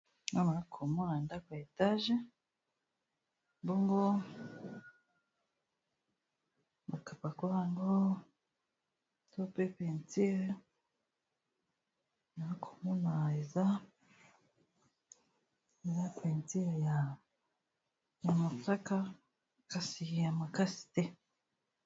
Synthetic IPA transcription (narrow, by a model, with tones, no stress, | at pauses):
ŋo˦na˨ɾa˦kʰo˨mo˦na˨nda˦kwa˨e˨ta˦ʒe˦ | mbu˦ŋɡo˦ | ba˨ka˨pa˨ku˦ɾa˦˨ŋɡo˦ | to˦pe˦pe˨nti˦ɾe˦ | na˨˦kʰo̥˨mu˦na˨e˨za˦ | e˨za˦pʰe˨nti˦e˨ja˨ | ja˨ma˨ta˦ka˦ | ka˨si˨ja˨ma˨ka˦si̥˨te˦